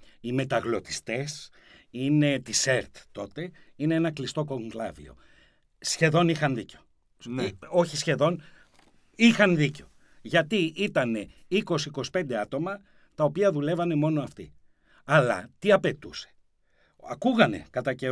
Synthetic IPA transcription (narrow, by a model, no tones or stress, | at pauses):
ime̞t̪ɐɣlo̞t̪i̥st̪e̞s | ine̞t̪ise̞ɾt̪t̪o̞t̪e̞ine̞enɐklist̪o̞ko̞ŋklɐ̰vḭo̞̰ | sçe̞ðo̞nixɐnðiceo̞ | no̞çisçe̞ðo̞n | ixɐnðiceo̞ | ʝɐt̪iit̪ɐne̞iko̞siiko̞si̥pe̞nd̪e̞ɐt̪o̞mɐ | t̪ɐo̞piɐðule̞vɐne̞mo̞no̞ɐft̪ḭ | ɐlɐ̰t̪iɐpe̞t̪use̥ | ɐkuɣɐne̞̰kɐt̪ɐce